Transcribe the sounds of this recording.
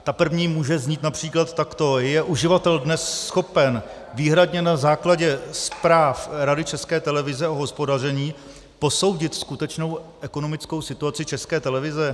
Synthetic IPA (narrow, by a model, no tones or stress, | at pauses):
t̪apr̩vɲiːmuːʒɛzɲiːt̪napr̝̥iːklat̪ːakt̪o̞jɛʔuʒɪvat̪ɛldnɛsːxo̞pɛn | viːɦɾadɲɛnazaːklaɟɛspɾaːfɾadɪt͡ʃɛskɛːt̪ɛlɛvɪzɛʔoɦo̞spodar̝ɛɲiː | po̞so̞wɟɪt̪skut̪ɛt͡ʃno̞wʔɛko̞no̞mɪt͡sko̞wsɪt̪uat͡sɪt͡ʃɛskɛːt̪ɛlɛvɪzɛ